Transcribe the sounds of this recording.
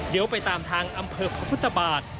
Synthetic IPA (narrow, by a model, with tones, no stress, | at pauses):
d̪i˨˦əwpa˧jt̪aː˨mt̪ʰaː˧ŋʔa˧mpʰɤː˧pʰɾa˧pʰt̪ʰːa˧baː˨˩t̪̚